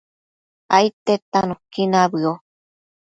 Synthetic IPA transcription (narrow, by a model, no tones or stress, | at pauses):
ajt̪et̪anũkinaβɨo